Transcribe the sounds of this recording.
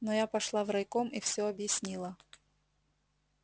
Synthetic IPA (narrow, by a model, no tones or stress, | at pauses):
nɔjapɐʂlˠavɾɐjkomifsʲoɐbjɪsʲnʲilˠɐ